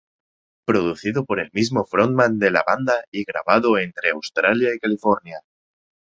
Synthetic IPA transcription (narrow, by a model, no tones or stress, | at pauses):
pɾo̞ðuθiðopo̞ɾe̞lmizmo̞fɾonmãnd̪e̞la̰βand̪aiɣɾa̰βaðoe̞nt̪ɾe̞awst̪ɾaljaikalifoɾnja